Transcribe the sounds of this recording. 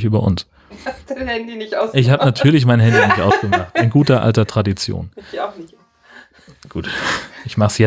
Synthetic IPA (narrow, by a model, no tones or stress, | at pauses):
çʔyːbɐʔʊ̰ns | ndinʔɪçhaːbənatʰyːɐlɪç̬maɪnɦɛndinɪçtʔaʊsɡ̥əmaχtɪnɡuːtɐʔa̰ltɐtʁ̥adit͡sjo̰ːn | ɡ̥uːtʔɪçmaχsjɛ